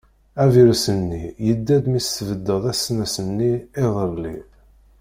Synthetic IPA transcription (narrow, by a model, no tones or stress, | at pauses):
æviɾsənːijəd̪ːæd̪misːəvəd̪ːəðˤæsnæsənːiɪðˤəɾli